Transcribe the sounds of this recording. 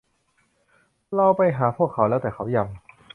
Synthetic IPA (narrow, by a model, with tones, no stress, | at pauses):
la˧wpa˧jɦaː˩˦pʰu˥˩əkʰːa˨˦wlɛː˦˥wt̪ɛː˨˩kʰa˩˥wja˧˩ŋ